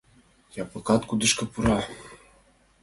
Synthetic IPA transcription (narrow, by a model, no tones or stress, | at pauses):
japɤ̆kɑt̪kud̪ɨ̆ʃkɤ̆puɾɑ